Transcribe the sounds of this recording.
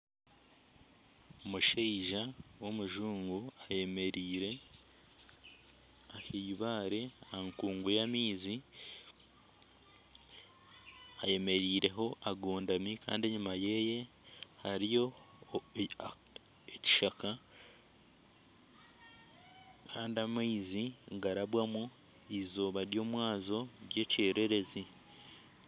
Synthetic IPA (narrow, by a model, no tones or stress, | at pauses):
omuʃeiʒawo̞muʒuːŋɡuaje̞me̞ɾiːɾe̞ | ahiβaːɾe̞ahaŋkuːŋɡujamiːzi | aje̞me̞ɾiːɾe̞ɦo̞ʔaɡoːndamika̰ːndieɲumaje̞je̞ | haɾijo̞ | eci̥ʃaka | kʰaːndiamiːziŋɡaɾaβwamu | izo̞ːβaɾjo̞ːmwaːzo̞ɾje̞ːce̞ːɾʔe̞ɾe̞zi